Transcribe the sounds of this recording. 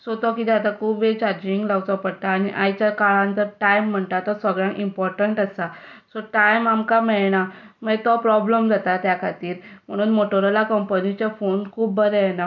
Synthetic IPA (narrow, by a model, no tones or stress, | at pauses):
sɔt̪ɔkit̪ɛat̪akʰuːbet͡ɕaɾd͡ʑiŋɡlawt͡sɔpəɽt̪aːñiʔajt͡ɕakaɭãnt̪əɾʈajm̤ːəɳt̪at̪ɔsəɡɭjãŋʔimpɔɾʈəɳʈəsasɔʈajmamkamɛɭɳa | mət̪ɔpɾɔbləmd͡zat̪at̪jakʰat̪iːɾm̤əɽ̃uːnmoʈəɾəlakəmpənit͡ɕafonkʰuːbːəɾɛjna